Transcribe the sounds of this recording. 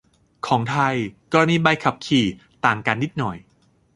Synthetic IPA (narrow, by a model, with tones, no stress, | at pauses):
kʰɔː˩˦ŋt̪ʰa˧jkɔː˧ɾa˧niː˧baː˧jkʰa˨˩p̚kʰiː˨˩ | t̪aː˨˩ŋkaː˧nːi˦˥t̪̚nɔ˨˩j